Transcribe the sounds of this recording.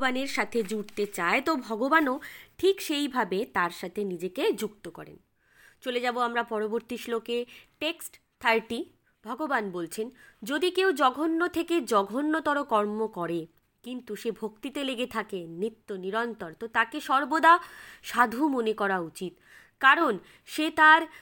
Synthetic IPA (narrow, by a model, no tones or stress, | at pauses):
baneɾʃat̪ʰed͡ʑuɽt̪et͡ɕaet̪obʱɔɡobanoʈʰikʃejbʱabet̪aɾʃat̪ʰenid͡ʑeked͡ʑukt̪okɔ̰ɾḛn | t͡ɕoled͡ʑaboamɾapɔɾoboɾt̪iʃlokeʈeksʈ | t̪ʰaɾʈi | b̥ʱɔɡobanbolt͡ɕʰend͡ʑod̪ikewd͡ʑɔɡʱonːot̪ʰeked͡ʑɔɡʱonːot̪ɔɾokɔɾmokɔɾe | kint̪uʃebʱokt̪it̪eleɡet̪ʰakenɾit̪ːoniɾɔnt̪oɾt̪ot̪akeʃɔɾbod̪aʃad̪ʱumonekɔɾaut͡ɕit̪ | kaɾon | ʃet̪aɾ